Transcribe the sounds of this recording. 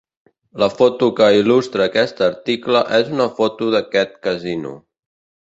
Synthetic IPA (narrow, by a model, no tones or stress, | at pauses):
ləfot̪ukəilust̪ɾəːkɛst̪əɾt̪ikləʔɛzunəfot̪uðəkɛt̪kəzinṵ